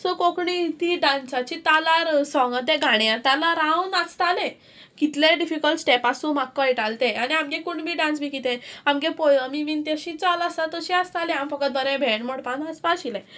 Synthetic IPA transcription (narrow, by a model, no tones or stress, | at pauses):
sɔkokɳit̪iːɖãnsat͡ɕit̪alaɾsɔ̃ŋɡət̪eɡʱaɽ̃eat̪alaɾaunast̪alẽ | kit̪leɖifikəlʈsʈepasũmakːəjʈalt̪eaniamɡẽkuɳbʱiːɖãnsbʱiːkit̪ẽamɡepojamiʋiːnt̪jeɕĩt͡salasat̪əɕiast̪alẽamfəkət̪̚bəɾẽbʱeɳmoɽpãnaspaɕilẽ